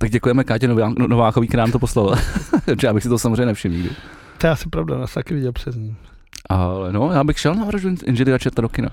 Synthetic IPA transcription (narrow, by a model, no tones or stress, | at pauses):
t̪aɡ̚ɟɛkujɛmɛkaːcɛnonovaːxovik̪ɛɾinamt̪oposlovɪlpot̪ʒɛjaːbɪxsɪt̪osamozreɛɲɛnɛfʃɪmɲiːɡdɪ̰ | t̪ojaasɪpɾavdanaːst̪akɪvɪɟɛlpr̥ɛzɲiːm | ʔalɛnojaːbɪxʃɛlnaɾaʒuʔɪ̰nʒɛdɪɾat͡ʃɛɾt̪adokɪna̰